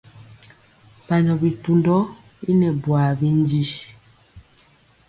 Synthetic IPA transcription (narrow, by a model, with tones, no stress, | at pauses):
pa˨ɲɔ˨bi˨tu˨ndɔ˦ | i˦nɛ˨bwa˨bi˦n˦d͡ʒi˦ʃ